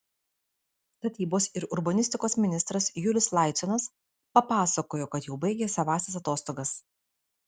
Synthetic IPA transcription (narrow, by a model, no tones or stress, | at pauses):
t̪ɐt̪ʲiːboːsɪɾʊɾbɐnʲɪsʲt̪ʲɪkoːsmʲɪnʲɪst̪ɾɐsjʊlʲɪslˠɑˑɪt̪sʲɔnɐs | pɐpɑːsɐkoːjoːkɐt̪jɛʊbɐɪɡʲeːsʲɐʋɑːsʲɐsɐt̪oːst̪oːɡɐs